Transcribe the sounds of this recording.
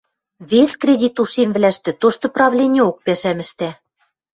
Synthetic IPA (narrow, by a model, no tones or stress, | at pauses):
βeskrʲedʲit̪uʃemvlæʃt̪ɘ̆t̪oʃt̪ɤ̆prɑβlʲenʲeok̚pæʃæmɘ̆ʃt̪æ